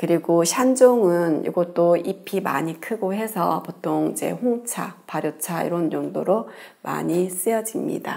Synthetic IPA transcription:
kɯɾiɡoɕʰand͡ʑoŋɯnḭɡʌt̚t͈oipʰima̰ɲikʰɯɡoɦe̞sʰʌ̰potʰoŋid͡ʑe̞̰hoŋt͡ɕʰa̰paɾjot͡ɕʰaḭɾʌnjoŋdoɾo | ma̰ɲis͈ɯjʌd͡ʑimɲḭda̰

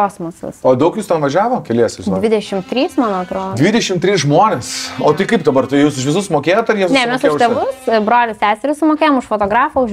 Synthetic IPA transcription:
koːsmɐsʊ̰ssoːd̪ɐʊkjuːst̪ʲɛnʋɐʒʲæːʋoːkʲɛlʲiɛsʲɪʒɪdnʲːʋʲɪd̪ʲɛʃʲɪmt̪ʲɾʲiːsmɑːnoɐt̪ɾoːdʲʋʲɪd̪ʲɛʃʲɪmt̪ʲɾʲiːsʒmoːnʲeːsoːt̪ɪkɐɪp̚d̪ɐbɐɾt̪ɐɪjuːsʊʃʋʲɪsʊsmoːkʲeːjoːt̪ɐɾjiɛsnʲɛmʲɛsʊʃʊt̪ʲɛʋʊsbɾoːlʲʊsʲæːsʲɛɾʲʊsʊmoːkʲeːjomʊʃfoːt̪oːɡɾɑːfoʊʃ

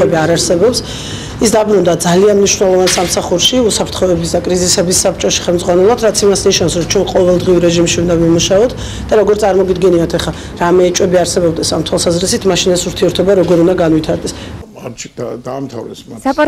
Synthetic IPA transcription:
ɛbiaɾaɾsɛbɔps | isd̪abɾnund̪ad̪zalianmniʃvwnɛlˠɔvansamsaχuɾʃiusapʰɾt̪ʰχɔɛbisd̪akʼɾizisɛbisːap̚ʰt͡ʃʼɔʃi̥χɛlˠmd̪zʁwanɛlˠad̪ɾat̪sʰimasniʃnavsɾɔt͡ʃʰwɛnqʼɔvɛlˠd̪ʁiuɾɛʒimʃiund̪avimuʃaɔt̪ʰ | d̪̥aɾɔɡɔɾt̪sʼaɾmɔɡid̪ɡɛniat̪ʰɛχa | ɾamɛːt͡ʃʼwɛbiaɾsɛbɔb̚d̪ɛsamt̪ʰwalˠsazɾisit̪ʰmaʃinasuɾt̪ʰiɛɾt̪ʰɔbaɾɔɡɔɾund̪aɡanvit̪ʰaɾd̪ɛs | d̪aːmt̪ʰa̰vɾɛs

